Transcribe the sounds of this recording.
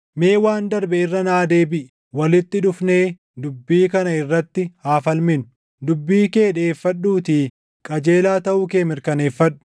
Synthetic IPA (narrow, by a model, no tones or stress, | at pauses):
me̞ːwaːnd̪ɐɾbɛɪrːɐnaːd̪e̞ːbɪʔ | wɐlɪt̪ːɪᶑʊfne̞ː | d̪ʊbːiːkɐnɐɪrːɐt̪ːɪhaːfɐlmɪnʊ̥ | d̪ʊbːiːke̞ːᶑe̞ːfːɐᶑːuːt̪iː | kʼɐd͡ʒe̞ːlaːt̪ɐʔuːke̞ːmɪɾkɐne̞ːfːɐᶑːʊ̥